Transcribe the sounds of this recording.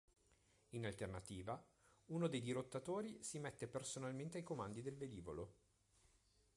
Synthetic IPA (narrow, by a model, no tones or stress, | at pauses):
inalt̪ernat̪iːvauːnod̪ejd̪iɾot̪ːat̪oːɾisimɛt̪ːepersonalment̪eajkomand̪id̪elved̪iːvo̰lo